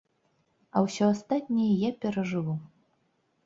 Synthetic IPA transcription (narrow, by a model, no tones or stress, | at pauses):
ɐ̰wsʲɔast̪at̪ʲnʲɛjɐjapʲɛɾɐʐɨvu